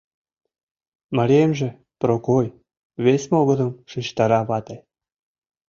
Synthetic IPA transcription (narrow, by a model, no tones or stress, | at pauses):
mɑɾʲiemʒĕ | prokoj | βesʲmoɣɤ̆d̪əmʃit͡ɕt̪ɑɾɑβɑt̪ɑj